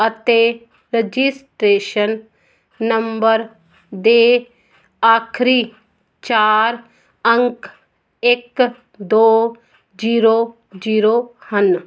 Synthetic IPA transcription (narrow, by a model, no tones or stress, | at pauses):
ət̪eː | ɾed͡ʒisʈɾeːʃənː | əmbəɾ | d̪e | aːkʰɾiː | t͡ʃaːɾ | ə̃ŋk | ek | d̪oː | d͡ʒiːɾoː | d͡ʒiːɾoːhən